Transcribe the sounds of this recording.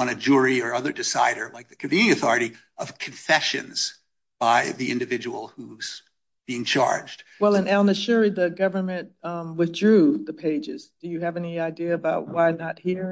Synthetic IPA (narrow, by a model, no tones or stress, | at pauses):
ʌ̃ñɨd͡ʒʊɹiə˞ʌðə˞dɨsa̰ɪɾə˞laɪk̚ðɨkʰɨɱvĩnĩɨθɔɹɨɾi | ʔʌv̥kʰɨ̃ɱfɛʃɨ̰̃nz̥ | b̥aɪðiʔɪ̰̃ndɨvɪd͡ʒɨwl̩ˠhuz̥ | b̥iɪ̃ŋt͡ʃʰɑ̰ɹd͡ʒd̥wɛlˠə̃nɛlˠnɨʃʊɹiðɨɡʌvə˞mɨ̃nt̚ʌ̃wɨθdɹʉðɨpʰeɪd͡ʒɪzd̥ɨjɨɨvɛniaɪdiɨːbaʊt̚waɪnət̚hiɹ